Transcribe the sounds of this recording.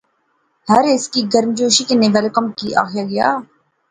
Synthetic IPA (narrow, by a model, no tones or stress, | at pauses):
hɐɾɪskiɡɐɾmd͡ʒoːʃikeneʋɛlkəmkiʔa̰ːxʰjaɡɐja̰ː